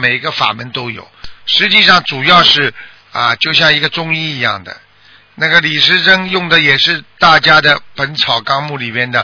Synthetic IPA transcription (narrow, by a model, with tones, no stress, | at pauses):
me˨˩ɪi˧˥ɡə˧fa̰˨˩mə˧˥nt̪o˥ʊjo̰˨˩˦ʊʂɻ̩˧˥t͡ɕi˥˧ʂɑ˥˩ŋʈ͡ʂu˨˩jɑ˥˧ʊʂɻ̩˥˩ | ɐ̰˧t͡ɕjo˥˧ʊɕ̬jɑ˥˩ŋi˧˥ɡə˧ʈ͡ʂʊ˥ŋi˥˩i˧˥jɑ̰˥˩ŋd̪ə̰˩ | na˥˩ɡə˩li˨˩ʂɻ̩˥ʈ͡ʂɤ˥ŋjʊ˥˩ŋd̪ə˩jɛ˨˩ʂɻ̩˥˧t̪a˥˩t͡ɕja˥d̪ə˨pə˧˥nt͡sʰɑ˨˩ʊkɑ˥ŋmu˥˩li˨˩mjɛ˥nd̪ə˨˩